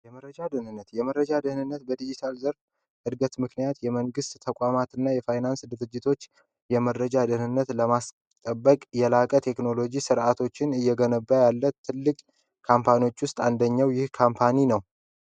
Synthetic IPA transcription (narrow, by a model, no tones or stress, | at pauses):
jɛməɾəd͡ʒad̪ɨhnɨnːət̪jɛməɾəd͡ʒad̪ɨhnɨnːət̪̚bəd̪id͡ʒit̪ʰalzəɾf | hɨd̪ɡət̪mɨknijat̪jɛməŋɡɨst̪t̪ʰəkʼamat̪ɨnːajɛfajnansd̪ɨɾɨd͡ʒːɪt̪ʰo̞t͡ʃː | jɛməɾəd͡ʒad̪ɨhnɨnːət̪ləmas | t̪ʼəbːəkʼjɛlakʼət̪ʰe̞kno̞lo̞d͡ʒisɨɾʔat̪ʰo̞t͡ʃːɪnɨjːɛɡənəbːajalːət̪ʰːɨlːɨkʼ | kʰampʰanio̞t͡ʃːwʊst̪ʼand̪əɲːawjɪhkʰampʰaninəw